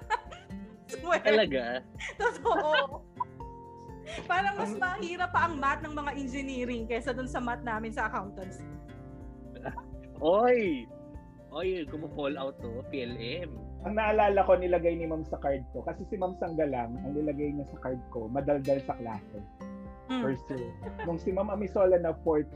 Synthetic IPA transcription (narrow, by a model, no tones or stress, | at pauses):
sɛɐlɐɡat̪ot̪oʔo | paːɾɐŋmɐsmɐɐhiːɾɐpːɐʔɐŋmat̪̚nɐŋmɐŋaʔɛnd͡ʒɪniːɾɪŋkɐsɐd̪ʊnsɐmat̪̚naːmɪnsɐʔɐkawnt̪ɐns | ʔoj | ʔojɡʊmokolʔɐwt̪ːopiʔɛlʔɛmʔɐŋnɐʔɐlaːlɐko̞nɪlɐɡajnɪmamsɐkaɹd̪̚ko̞kɐsɛsɪmamsɐŋɡɐlɐŋʔɐŋnɪlɐɡajnɐsɐkaɹd̪̚ko̞mɐd̪ɐld̪ɐlsɐklaːsɛ | pɛɹsɛnʊŋsɪmamʔɐmɪsoːlɐnɐfoɹt̪